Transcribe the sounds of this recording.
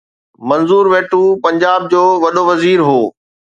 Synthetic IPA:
mɐ̃nzuːɾʋeːʈupɐ̃ɲd͡ʑaːb̚d͡ʑoːʋɐɗoʋɐziːɾɦoː

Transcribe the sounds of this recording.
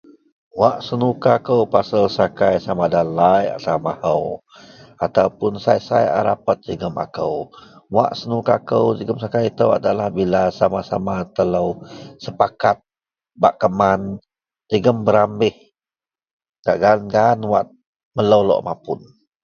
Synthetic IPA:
waʔsənukakəwpasəlsakajsamadalaja̰t̪amahəw | at̪awpʊnsajsa̰ja̰ɾa̰pət̪̚d͡ʒəɡəma̰kəwwa̰ʔsənukakəwd͡ʒəɡəmsakajt̪əwa̰dalahbilasamasamat̪ələwsəpakat̪̚ | baʔkəman | d͡ʒəɡəmbəɾambɪh | ɡaʔɡanɡanwat̪̚ | mələwlɔ̰ʔmapʊn

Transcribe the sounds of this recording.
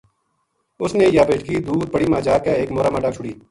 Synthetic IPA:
ʊsneːjaːbeːʈkiːd̪uːɾ̚pəɽiːmãːd͡ʒaːkeːeːkmoːɾaːmaːɖaːt͡ʃʰʊɽiː

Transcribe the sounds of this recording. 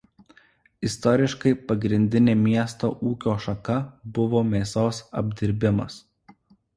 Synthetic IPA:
ɪst̪ɔɾʲɪʃkɐɪpɐɡɾʲɪnʲd̪ʲɪnʲeːmʲiɛst̪o̰ːʔuːkʲoːʃɐkɐbʊʋoːmʲeːsoːsɐbʲd̪ʲɪɾʲbʲɪmɐ̰s

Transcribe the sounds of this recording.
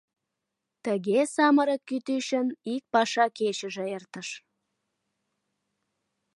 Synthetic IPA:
t̪əɣesɑməɾəkːyt̪yʃənik̚pɑʃɑkeʃəʒĕert̪əʃ

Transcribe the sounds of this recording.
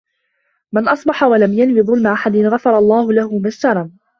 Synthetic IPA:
mɪnʔɑsˤbɑħawalamjanwiːðˤʊlmaʔaħad̪ɪnɣɑfɑɾˤɑlˤːɑːhʊlahʊmast̪ɑɾˤɑn

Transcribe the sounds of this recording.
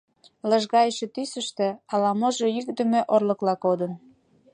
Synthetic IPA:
ləʒɣɑjəʃĕt̪ysəʃt̪ĕɑlɑmoʒojykd̪ə̆mĕʔorləklɑkod̪ən

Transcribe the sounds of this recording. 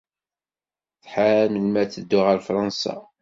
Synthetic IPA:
θħaməlmæθəd̪ːʊʁəɾfɾˤɑnsɑ̰

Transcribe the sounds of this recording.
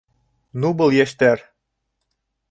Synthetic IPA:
nubɤ̆lˠjæʃt̪æɾ

